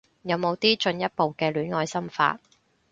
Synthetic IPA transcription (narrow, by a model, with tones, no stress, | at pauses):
jɐ˨˧wmo˨˧wt̪iː˥t͡ʃɵ˧njɐ˥t̚po˨wkɛː˧lyː˨˥nŋɔː˧jsɐ˥mfa̰ː˧t̚